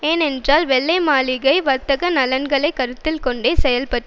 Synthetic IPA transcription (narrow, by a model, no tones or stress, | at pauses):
eːnɛndraːlʋɛɭːɐɪmaːlɪɣɐɪʋɐɾt̪ːɐɣɐnɐlɐnɡɐɭɐɪkːɐɾɯt̪ːɪlkɔɳɖeːsɛjɐlpɐʈː